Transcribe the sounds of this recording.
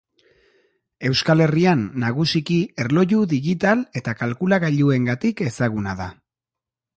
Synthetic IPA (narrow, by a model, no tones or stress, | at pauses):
e̞wskale̞rianːaɣ̞usikie̞ɾlo̞ʎuðiɣit̪ale̞t̪akalkulaɣaʎue̞ŋɡat̪ike̞saɣ̞unaða